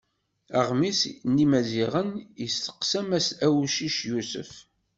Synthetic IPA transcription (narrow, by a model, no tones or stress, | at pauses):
əʁmisnːimæziʁənjəstə̥qsæmæsæwʃiʃjusə̰f